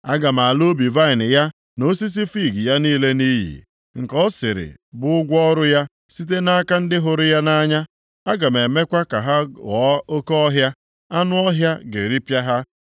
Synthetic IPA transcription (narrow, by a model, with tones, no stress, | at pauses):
a˦ɡa˨m˨a˨lo˦bi˨va˦ɪ˨nɪ˨ja˦ | no˦si˦s̬i˦fi˦˨ɡi˨ja˦niː˦le˦ni˦ɦḭ˨ | ŋ̩˨kɔ˦sɪ˨ɾɪ̰˨bʊ˦ʊ˦ɡʷɔ˦ɾʊ˦ja˦ | si˦t̬e˦na˦ka˦n̩˦dɪ˦ɦʊ˨ɾʊ˦ja˦na˦ɲa˦ | a˦ɡa˨me˨me˦kʷa˦ka˨ɦa˦ɣɔ˨˦o˦ko˦ɔ˦ɦja˦ | a˦nʊ˦ɔ˦ɦja˦ɡḛ˨ɾi˦pja˦ɦa˦